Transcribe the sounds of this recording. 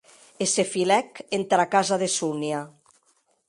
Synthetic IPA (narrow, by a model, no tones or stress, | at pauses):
esefilɛkent̪ɾakazaðesunia